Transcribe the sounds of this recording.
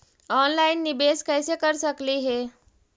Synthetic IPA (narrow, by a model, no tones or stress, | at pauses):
ɔnlainːibeskəjsekəɾsəkliɦe